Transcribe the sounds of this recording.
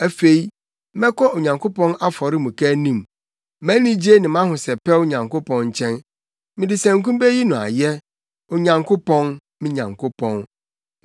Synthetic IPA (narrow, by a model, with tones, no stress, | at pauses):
æ˨fe˨i˦ | mɛ̃˦kʰɔ˦o˨ɲã˨ŋkʰo˦pɔ̃˦na˦fɔ˨ɾɪ˦mũ˨kʰæ˦nĩ˦˨m | mæ̃˦nĩ˦d͡ʑe˦nɪ̃˨m˦ã˦hʊ̃˨sɛ˨pɛ˦wo˦ɲã˨ŋko˦pɔ̃˦n˦t͡ɕʰɛ̃˦n | mɪ̃˨dɪ˨sæ̃˨ŋ˦kũ˦mbe˦ji˦nʊ̃˨a̰˨jɛ˦ | o˨ɲã˨ŋkʰo˦pɔ̃˦n | mɪ̃˦ɲã̰˨ŋkʰo˦pʰɔ̃˦n